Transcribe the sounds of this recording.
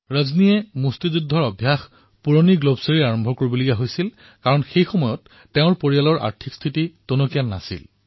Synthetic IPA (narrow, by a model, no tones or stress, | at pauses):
ɹəznijɛmustizudʱɔɹɔbʱjax | puɹoniɡlobseɹiaɹɔmbʱɔkoɹibolikaɦojsil | kaɹɔnxejxɔmɔjɔtː | eʊ̃ɹpoɹijalɔɹʔa̰ɹtʰikstʰititunokijannːa̰sḭl